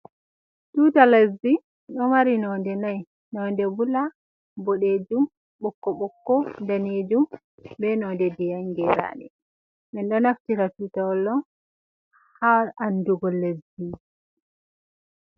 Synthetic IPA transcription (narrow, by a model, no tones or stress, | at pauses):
tuːtalezːi | ɗɔmaɾinɔndɛnaj | nɔndɛbula | bɔɗed͡ʒum | ɓɔkːɔɓɔkːɔndaneːd͡ʒum | bɛnɔndɛdijaŋɡɛɾa̰ːɗɛ̰ | mɛnɗɔnaftiɾatuːtaɔlːɔn | haɾanduɡɔlːezi